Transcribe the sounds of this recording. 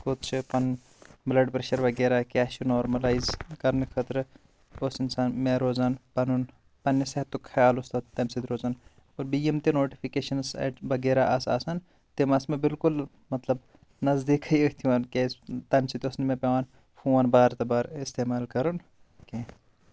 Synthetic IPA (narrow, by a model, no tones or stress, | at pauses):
kot̪̚t͡ʃʰɨpɐn | blɐɖpɾeʃɐɾʋɐɡeːɾaːkʲaːʃunoːɾmɐlaːizkɐɾnɨkʰɐt̪ɾɨ | osɪnsaːnmeɾoːzaːnpɐnun | pɐnːiseɐt̪ːukʰɐjaːlost̪ɐt̪t̪ɐmsid̪ɾoːzaːn | oɾbijɐmt̪enoːʈifʰikeːʃɐnsɐ̰ʈʋɐɡeːɾaʔɐsa̰ːsɐn | t̪imɐsmebɪlkʊl | mɐt̪lɐb | nɐzd̪ikʰɐjəkt̪ʰiʋankest̪ɐmsit̪ʲoːsnimepʲeʋaːn | fʰuːʋaːnbaːɾt̪ɐbaːɾɪst̪eːmaːlkɐɾun | ke